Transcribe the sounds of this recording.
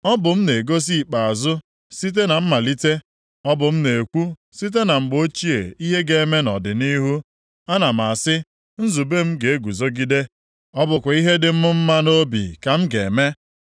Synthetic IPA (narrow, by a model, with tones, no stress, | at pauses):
ɔ˦bʊ˨m̩˦ne˨ɡo˦s̬i˦i˨k͡pa˨a˨zʊ˦ | si˦t̬e˦na˨m̩˦ma˨li˦te˦ | ɔ˦bʊ˨m̩˦ne˨e˨kʷu˦ | si˦t̬e˦na˨ŋ͡m̩˨ɡ͡bo˦t͡ʃi˦e˨i˦ɦe˦ɡe˨e˨˦me˦nɔ̰˨dɪ˨ni˦ɦu˦ | a˦na˨m̩˨a˨sɪ˦ | n̩˦zu˨be˦m̩˦ɡe˨e˦ɡʷu˨zo˦ɡi˦de˦ | ɔ˦bʊ˨kʷʊ˨i˦ɦe˦dɪ˨m̩˦mʊ˦m̩˦ma˦no˦bḭ˨ka˨m̩˦ɡe˨me˦